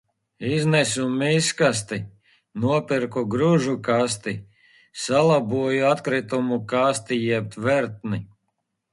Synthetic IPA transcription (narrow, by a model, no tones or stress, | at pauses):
iznɛsumiskas̬t̪i | nuɔpiɾkɔɡɾuʒukast̪i | salˠabuɔjuat̪kɾit̪umukast̪ijɛp̚t̪vɛɾt̪̚ni